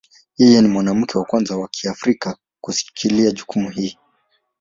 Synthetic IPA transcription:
jɛjɛnimwanam̩kʰɛwakwanzawakʰiafɾika | kusi̥kʰiliaʄukumuhiː

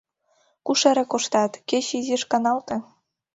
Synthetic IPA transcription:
kuʃeɾĕkoʃt̪ɑt̪ket͡ɕiziʃkɑnɑlt̪ɤ̆

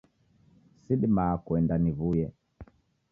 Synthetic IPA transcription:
siɗimakwɛndanivujɛ

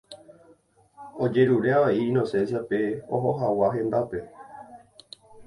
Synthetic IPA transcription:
od͡ʒe̞ɾuɾeaʋaiĩno̞sẽ̞nsiape̞oɦoɦawaɦẽ̞nd̪ape̞

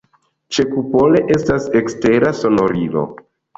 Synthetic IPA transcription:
t͡ʃe̞kupo̞le̞ʔe̞stase̞kste̞ɾaso̞no̞ɾilo̞̰

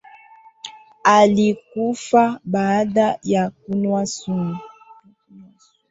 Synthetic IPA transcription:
alikufabadajak̚unwasumu

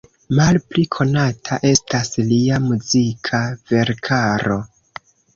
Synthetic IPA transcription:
malplikʰo̞natʰaʔe̞stasliamuzikʰave̞ɾkʰaɾo̞

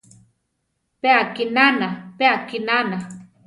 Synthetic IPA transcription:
peakinanapeakinana

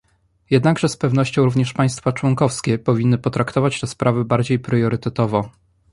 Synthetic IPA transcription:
jɛd̪naɡʐɛspɛvnɔɕt͡ɕɔ̃w̃ɾuvɲɛʂpaj̃st̪fat͡ʂwɔŋkɔfskʲɛpɔvʲinːɘpɔt̪ɾakt̪ɔvat͡ɕt̪ɛspɾʔavɘbaɾd͡ʑejpɾjɔɾɘt̪ɛt̪ɔvɔ

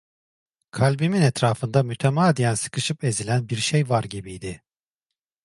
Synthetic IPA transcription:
kʰalʲbiminɛt̪ɾaːfɯnd̪amyt̪ʰemaːd̪ijænsɯ̥kʰɯʃɯpe̞zilʲænbiɾʃejvaɾɟibijd̪ɪ

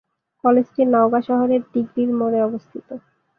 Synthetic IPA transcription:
kɔled͡ʑʈinaoɡaʃɔɦoɾeɾɖiɡɾiɾmoɾeɔbost̪ʰit̪o

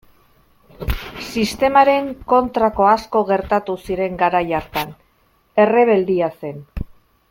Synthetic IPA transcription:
sist̪e̞maɾe̞ŋko̞nt̪ɾako̞asko̞ɣe̞ɾt̪at̪usiɾe̞ŋɡaɾajaɾt̪an | e̞re̞β̞e̞ld̪iase̞n

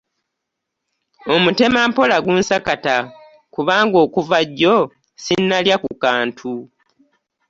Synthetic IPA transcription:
o̞mute̞maːmpo̞laɡunsakata | kuβaːŋɡo̞ːkuvaɟːo̞ | sinːaljakukaːntʰu

